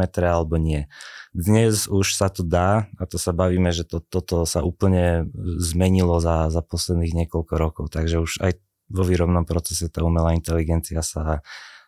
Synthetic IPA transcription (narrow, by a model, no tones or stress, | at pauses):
ɛt̪ɾɛalɛbɔɲɪɛd̪ɲɛzuʃsat̪ɔd̪aːat̪ɔsabaʋiːmɛʒɛt̪ɔt̪ɔt̪ɔsaʔuːpl̩ɲɛzmɛɲilɔzazapɔslɛd̪niːɣɲɪɛkɔlkɔɾɔkɔʊt̪aɡʒɛuʒa̰j | ʋɔʋiːɾɔbnɔmpɾɔt͡sɛsɛt̪aːumɛlaːint̪ɛliɡɛnt͡siasa